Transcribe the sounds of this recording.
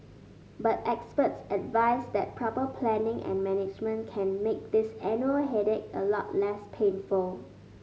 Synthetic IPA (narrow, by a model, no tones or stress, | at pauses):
batɛkspətsɛdvaɪsd̪ɛt̚pʰɹɔpəpʰlɛ̃nɪ̃ŋʔɛ̰̃nmɛnɪd͡ʒmə̃nkʰɛ̃nmek̚d̪isɛ̃njuəlɦɛdɛt̚əlɔ̰t̚lɛspʰẽnfʊl